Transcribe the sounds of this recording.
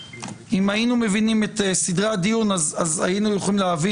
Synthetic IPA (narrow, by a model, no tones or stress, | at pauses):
imajinume̞vinime̞t̪esidʁadijunazaza̰jinujoχolimleavi